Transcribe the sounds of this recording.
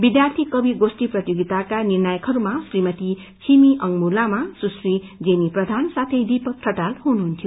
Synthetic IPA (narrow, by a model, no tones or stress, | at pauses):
bid̪jart̪ʰikʌbʱiɡosʈiprʌt̪joɡit̪akanirnʌjʌkɦʌɾumasrimʌt̪i | t͡sʰimiʔʌŋmulamasusrid͡zeniprʌd̪ʱansat̪ʰejd̪ipʌk̚ʈʰʌʈalɦunuɦunt̪ʰjo